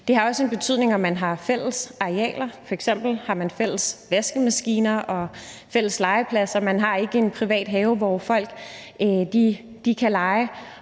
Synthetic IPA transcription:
d̥e̝ɦɑ̈ɒ̽səe̝nb̥e̝t͡sʰyð̰ˠne̝ŋɒ̽mːænɦɑ̈fel̰əsɑ̈iɛ̰ːlɐfɒ̽eɡ̥sem̰b̥l̩hɑ̈mænfel̰əsʋesɡ̥əmæsɡ̥ḭːnɐʔɒ̽fel̰əslɑ̈ɪəpʰlæsɐmænɦɑ̈e̝ɡ̥əe̝npʰʁiʋɛ̰ːd̥ɦɛːʊʋɒfɒ̽l̰ɡ̥ | d̥i | d̥ikʰælɑ̈ɪə

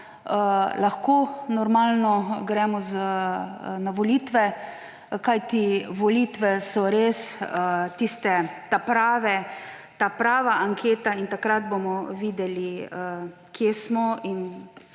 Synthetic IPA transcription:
əlaxkoːnɔɾmalnɔɡɾɛmɔza | naʋɔliːt̪ʋɛ | kajt̪iʋɔliːt̪ʋɛsɔɾesət̪ist̪ɛt̪apɾaːʋɛ | t̪apɾaːʋaʔaŋkʰeːt̪aint̪akɾad̪bomɔʋiːd̪ɛliə | kjesmɔin

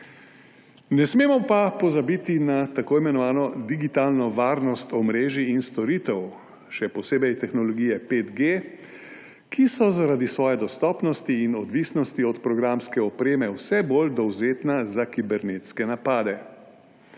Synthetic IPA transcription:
nɛsmeːmɔpapɔzabit̪inat̪akoːimɛnɔʋaːnɔd̪iɡit̪aːlnɔʋaːɾnɔst̪ɔmɾeːʒiːnst̪ɔɾiːt̪ɛw | ʃɛpɔseːbɛjt̪ɛxnɔlɔɡijɛpeːt̪ɡe | kʰisɔzaɾaːd̪isʋɔːjɛd̪ɔst̪ɔːpnɔst̪iːnɔd̪ʋiːsnɔst̪iɔt̪pɾɔɡɾamskɛɔpɾeːmɛwsɛbold̪ɔwzeːt̪nazakibɛɾneːt̪skɛnapaːd̪ɛ

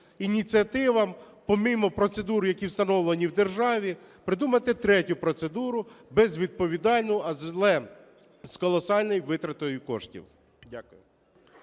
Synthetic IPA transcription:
inʲit͡sʲiɐt̪ɪʋɐm | pɔmimɔpɾɔt̪sed̪uɾʊjɐkʲiwst̪ɐnɔwlˠenʲiwd̪erʒɑʋʲi | pɾɪd̪umɐt̪ɪt̪ɾɛtʲʊpɾɔt̪se̞d̪uɾʊbɛzʋʲid̪̚pɔʋʲid̪ɑlʲnʊɐzlˠɛ | zkɔlˠɔsɑlʲnɔjʋɪt̪ɾɐt̪ɔjʊkɔ̰ʃtʲḭwʲ | akʊjʊ

